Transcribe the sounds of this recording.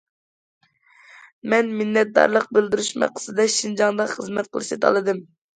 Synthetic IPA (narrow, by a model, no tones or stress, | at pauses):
mɛnminːɛt̪̚d̪ɑ̰ɾlˠəq̚bɪld̪yɾyʃmæ̰qʰːə̥sɨd̪ɛʃind͡ʒɑŋd̪ɑχəzmɛt̪̚qʰəlˠɨʃɛt̪ʰɑ̰lˠɨd̪ɨm